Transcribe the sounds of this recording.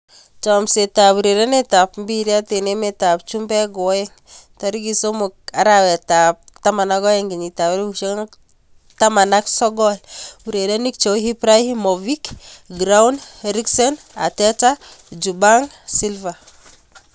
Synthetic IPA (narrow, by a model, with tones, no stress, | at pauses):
t͡ʃɔ˨mse˨ta˨bu˨ɾe˨ɾe˦ne˦ta˨pm˦bi˦ɾi˦a˦tene˦meta˨pt͡ʃumbɛ˦ɡɔ˨wjeŋ | taɾiɡiso˦mok̚a˦ɾawe˨tap̚ta˦ma˨na˦ɡɔ˦je˦ŋɡi˨ɲita˨wɾut͡ʃe˦ŋ | tama˨naksɔ˦ɡɔlu˨ɾede˦ni˦kt͡ʃo˨˦ɦi˦pɾa˦jimo˨vikɡɾawnɾiksɔn | a̰˨tetad͡ʒubaŋ | si˦lva